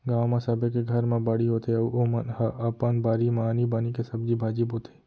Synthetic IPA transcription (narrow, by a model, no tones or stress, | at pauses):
ɡaːwmãsɐbekeɡʱɐɾmãbaɽiɦoːt̪eɐʔomɐnɦɐʔɐpɐnbaːɾimanibaːnikesɐbd͡ʒibʱaːd͡ʒibɦoːt̪ʰe̥